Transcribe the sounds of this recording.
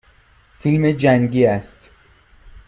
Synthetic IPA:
filmed͡ʒæŋɟiːæst̪

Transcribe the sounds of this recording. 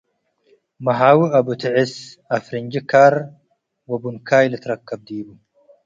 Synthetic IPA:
mɐɦaːwuʔɐbut̪ɪʕɪsɐfɾiɲd͡ʒikaːɾ | wɐbunkʰaːjlɪt̪ɾɐkːɐb̚d̪iːbu

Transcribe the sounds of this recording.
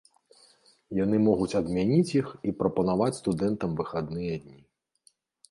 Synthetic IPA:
janɨmɔɣut͡sʲɐd̪mʲanʲit͡sʲjixipɾɐpɐnavat͡sʲst̪ud̪ɛnt̪ɐmvɨxad̪nɨjɐd̪ʲnʲi

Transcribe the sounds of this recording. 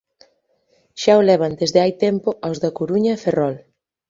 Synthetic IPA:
ʃaolɛβ̞ɐnd̪ezðeajt̪ɛmpoʔawzðakoɾuɲɐeferɔl

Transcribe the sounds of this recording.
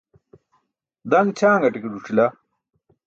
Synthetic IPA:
d̪ɐŋt͡ɕʰaːŋɡɐʈikeɖuʈ͡ʂʰilɐ

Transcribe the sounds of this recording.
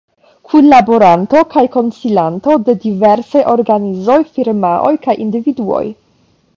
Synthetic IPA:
kʰunlaboɾanto̞kajko̞nsilant̪o̞de̞diveɾsajʔo̞ɾɡanizo̞jfiɾmaʔo̰jkajʔindividuo̰j

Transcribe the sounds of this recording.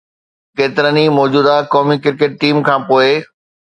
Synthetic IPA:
keːt̪ɪɾənimɔːd͡ʑuːd̪akɔːmikɪɾkeːʈ̚ʈiːmkʰãːpoːe

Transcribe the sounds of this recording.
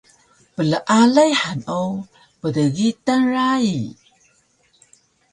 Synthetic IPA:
pələʔalajħano | pədəɣitanɾai

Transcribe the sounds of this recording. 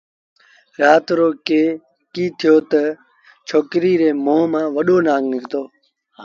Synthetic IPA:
ɾaːt̪ɾoːkeː | kiːt̪ʰɪjoːt̪ə | t͡ʃʰoːkɾiːɾeːmoːmãːʋəɗoːnãːŋɡnɪkt̪oː

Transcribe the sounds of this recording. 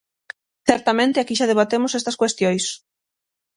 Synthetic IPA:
θɛɾt̪amẽnt̪ɪakiʃað̞eβ̞at̪emʊsest̪ɐskwest̪jojs

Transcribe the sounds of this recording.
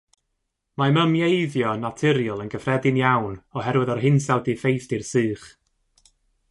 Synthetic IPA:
maməmjejðjɔnatʰɪɾjəlˠənɡəfrɛdɪnjawnɔɦɛɾwɪðɔrɦɪnsawdifejθdirsɨːχ

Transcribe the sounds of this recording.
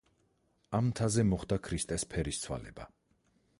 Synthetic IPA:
amt̪ʰazɛmɔχd̪akʰɾist̪ʼɛspʰɛɾist̪sʰwa̰lɛ̰ba

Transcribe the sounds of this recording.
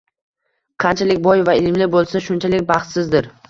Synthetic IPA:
qʰɑnt͡ʃʰalɪkʲbɒjvaɪlmlɪbolˠsaʃʊnt͡ʃʰalɪk̚ʲbɑχt̪sɪzd̪ɪɾ

